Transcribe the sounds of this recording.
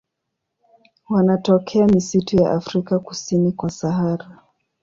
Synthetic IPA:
wanatɔkʰɛamisituja̰ʔafɾikaku̥sinikwasaɦaɾa

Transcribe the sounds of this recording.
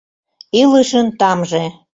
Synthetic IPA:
iləʃə̆nt̪ɑmʒe

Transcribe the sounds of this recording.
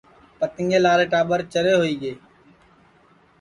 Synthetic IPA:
pət̪ɪ̃ŋɡeːlaːɾeːʈaːɓəɾt͡ʃəɾeːɦoːiːɠeː

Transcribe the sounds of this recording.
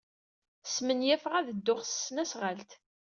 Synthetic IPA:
smənjæfʁæðəd̪ːʊχssːnæsʁəlt̪

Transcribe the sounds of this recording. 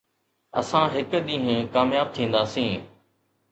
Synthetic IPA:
ə̰sãːɦɪkɗ̪ĩːɦẽkaːmjaːb̚t̪ʰĩːnd̪aːsĩː

